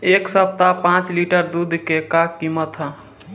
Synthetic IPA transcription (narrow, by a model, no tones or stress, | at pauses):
eksəp̚t̪apãt͡ʃliʈəɾd̪ud̪ʱkekakːimət̪ɦə̃